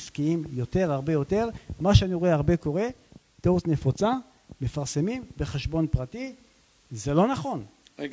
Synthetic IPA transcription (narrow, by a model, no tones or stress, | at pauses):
skiimjo̞t̪e̞ʁaʁbe̞jo̞t̪e̞ʁmaʃeaniʁoeaʁbe̞ko̞ʁe̞ | t̪osne̞fot͡sa | me̞faʁsemimbe̞χeʃbo̞npʁati | zelo̞naχo̞n